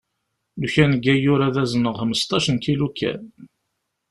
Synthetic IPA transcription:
luçænəɡːæjʊɾæðæzənəʁhəməst̪ˤɑʃənkilukʰːæ̰n

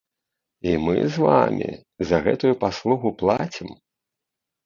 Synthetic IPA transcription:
imɨzvamʲḭ | zɐɣɛt̪ujupaslˠuɣuplˠat͡sʲim

